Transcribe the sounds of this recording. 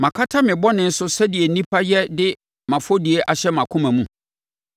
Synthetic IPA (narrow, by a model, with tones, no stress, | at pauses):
mã˨kʰa˦tʰa˦mɪ̃˨bɔ˦nɪ̃˨n̩˦sʊ˦sɛ˦di˨ɛ˨nĩ˦pʰa˦jɛ˦dɪ˦ | mã˨fo˦di˨e˨ʔa˨ɕɛ˦mã˨kʰʊ̃˦mæ̃˨mũ˨